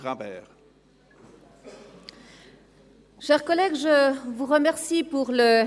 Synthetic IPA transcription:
ɑ̃bɛ̰ːʁ | ʃɛʁkɔlɛɡʒəvuʁəmɛʁsipuʁlə

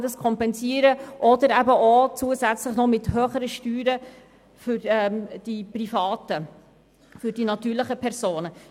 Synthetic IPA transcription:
dɑskʰɔmpɛnziəɾəʔɔd̪əɾæbəʔot͡suːəzæt͡sləχnɔmɪthøːχəɾəʃtyːɾə | fʏɾɛːd̥iprifɑːtə | fʏɾd̥inɑt̪yːɾlɪχəpʰɛɾzoːnə

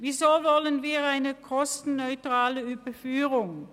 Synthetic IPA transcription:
viːzoːvɔlənviːʁaɪnəkʰɔstn̩nœʏtʁ̥aːləyːbɐfyːʁʊŋ

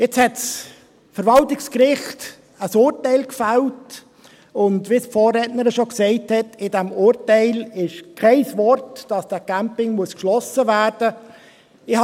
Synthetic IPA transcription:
jɛt͡shɛts | fəɾʋɑltɪkskɾɪχt | əsʊːɾtɛɪlkfælt | ʊndʋisfɔːrɛtnəɾəʃoksɛɪthɛtɪdɛmʊːɾtɛɪlɪʃkʰɛɪsvɔrtd̥ɑsd̥ækæmpɪŋmuəskʃlɔsəvæːɾd̥ə | ɪh

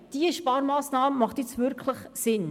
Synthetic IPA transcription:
d̥iəʃpɑːɾmɑːsnɑːməmɑχtit͡svʏɾkʰləχsɪn

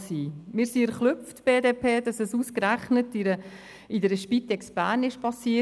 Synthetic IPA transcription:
siːmɪːɾsiɛɾχlʏp͡ftb̥eːdeːpʰeːd̥ɑsɛsuːskɾæχnətiɾə | idəɾəʃpit̪ɛksb̥æːɾnɪʃpʰɑsiə

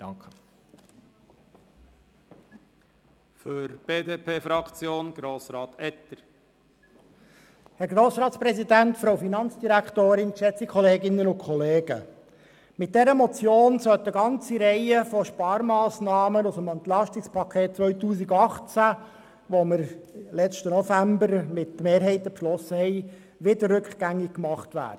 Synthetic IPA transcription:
d̥ɑŋkə | føɾb̥eːdeːpʰeːfɾɑkt͡sjoːnɡ̥ɾoːsɾɑːt̪ɛt̪ːəɾ | hɛɾɡɾoːsɾɑːtspɾɛsidæntfɾowfinɑnt͡sd̥iɾækʰt̪oːɾɪnʃɛt͡sikʰχɔleːɡɪnːənʊnkʰχɔleːɡ̥ə̰ | mɪt̚d̥ɛɾəmɔt͡sjoːnsœlt̪əɡɑnt͡siɾɛɪəfɔʃpɑːɾmɑːsnɑːmənʊsəmɛnt̪lɑʃtɪkspʰɑkʰeːt̚t͡sʋœʏtuːs̬iɡɑχt͡sæ | ʋɔməɾlɛt͡ʃtənɔfæmbəɾmɪtmeːɾɦɛɪt̪əpʃlɔsəhɛɪ | ʋɪdərːʉkχɡ̥æŋːɪkkmɑχtvʋæ̰ːd̥ə

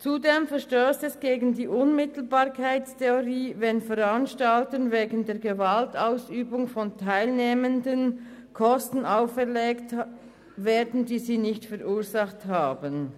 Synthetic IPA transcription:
t͡sudeːmfɛʁʃtøːstɛsɡ̥eːɡən̩diːʔʊnmɪtl̩baːʁkʰaɪtstʰeoʁiːvɛnfɛʁanʃtaltənveːɡən̩d̥eːɐɡevaltaʊsyːbʊŋfɔntʰaɪlneːməndən | kʰɔstn̩aʊfɛɐʁleːkt | veːɐdn̩diːziːnɪçtfɛʁuːɐzaχthaːbən

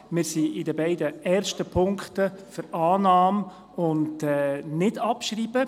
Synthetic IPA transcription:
mɪːɾsiɪdəbɛɪdəɛːɾʃtəpʰʊŋkχtəfəɾɑːnɑːm | ʊndɛːnɪdɑpʃriːb̥ə

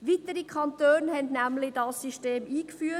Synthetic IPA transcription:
ʋit̪əɾikʰχɑntøːnhɛndnæmlɪdɑsːiʃteːmiːkfyːə

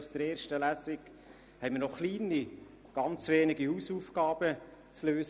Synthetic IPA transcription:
sd̥əɾeːɾʃtəlæsɪɡ | hɛɪməɾnɔχliːni | ɡ̥ɑnt͡sʋeːnɪɡihuːsuːfɡɑːb̥ə | t͡sløːs

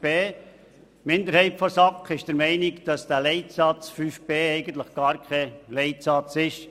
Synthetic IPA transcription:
b̥eː | mɪnd̪əɾhɛɪptfɔsɑkχɪʃd̥əɾmɛɪnɪkd̥ɑsd̥ælɛɪtsɑt͡sfyːfb̥eːɛɪɡənt̪ləχɡ̥ɑːɾkʰɛleɪtsɑt͡sɪʃ

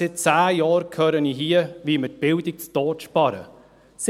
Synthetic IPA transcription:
sɪt̚t͡sæːjɑːɾkʰœːɾəniɦiəʋimət̚b̥ɪldik̚t͡stɔːʃpɑɾə̰ | s

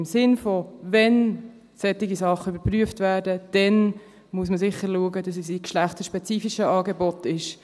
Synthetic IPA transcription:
msɪnfɔvɛn | sɛtiɡisɑχəybəɾpryəftvæːrdəd̥ɛn | muəs̬məsɪχəɾluəɡədɑs̬isikʃlæχtəʃpɛt͡siːfiʃəɑːɡɛbɔtɪʃ

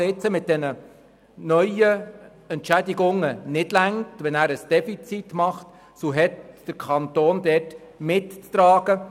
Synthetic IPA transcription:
ɪt͡səmɪt̚d̥ɛnə | nœʏə | ɛntʃædiɡʊŋːənɪd̥læŋtʋɛnæːɾəsd̥ɛfit͡sit̪mɑχt̪ | soɦɛt̪d̥əɾkʰɑnt̪oːnd̪ɛt | mɪtt͡st̪ɾɑːɡ̥ə

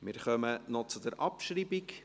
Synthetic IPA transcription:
mɪɾχœmənɔt͡sud̪ɛɾʔɑpʃɾiːbik

